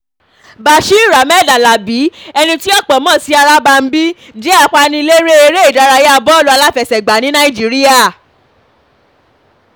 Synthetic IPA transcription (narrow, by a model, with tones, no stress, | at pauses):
ba˨ʃi˦˨ɾa˨mɛ˦˨da˨la˨bi˨˦ɛ˧nĩ˧ti˦ɔ˦˨k͡pɔ˨mɔ̃˦˨si˨˧a˧ɾa˦ba˧m̩˦bi˦ | d͡ʒe˦a˦˨kʷa˧nĩ˧le˦ɾe˦e˧ɾe˦i˦˨da˨˦ɾa˧je˦a˧bɔ˦lu˧˦a˧la˦fɛ˨sɛ˨ɡ͡ba˨˦nĩ˦nã˦i˦˨d͡ʒi˨˦ɾi˦a˦˨